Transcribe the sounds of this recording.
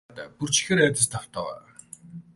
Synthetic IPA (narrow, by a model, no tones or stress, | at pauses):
t̪æ̰ːpur̥t͡ɕʰĭ̥xeːɾæːt̪ə̆st̪ʰaw̥t̪ɔːwæ̰ː